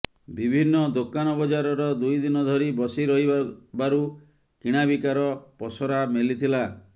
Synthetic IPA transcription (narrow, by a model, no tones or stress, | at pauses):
bibʱinːɔd̪okanɔbɔd͡ʒaɾɔɾɔd̪ujd̪inɔd̪ʱɔɾibɔsiɾɔɦibaɾu | kiɽ̃abikaɾɔpɔsɔɾamelit̪ʰila